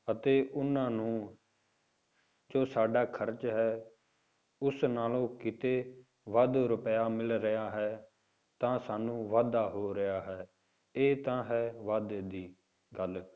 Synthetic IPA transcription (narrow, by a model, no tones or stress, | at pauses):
ət̪eːʔʊnãːnũː | d͡ʒoːsaːɖaːkʰəɾt͡ʃɦɛː | ʊsnaːlõːkɪt̪eː | ʋəd̪ɾʊpəjaːmɪlɾɪjaːɦɛː | t̪ãːsaːnũːʋaːd̪aːɦoːɾɪjaːɦɛː | eːt̪ãːɦɛːʋəd̪d̪iː | ɡəl